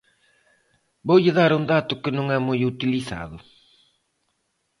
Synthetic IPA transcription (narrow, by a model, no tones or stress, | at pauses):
bojeðaɾond̪at̪okenuŋamojeut̪iliθa̰ðo